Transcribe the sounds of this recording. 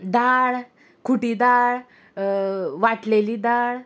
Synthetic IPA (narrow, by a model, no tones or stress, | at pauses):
d̪aɭ | kʰuʈiːd̪aɭ | ʋaʈleliːd̪aɭ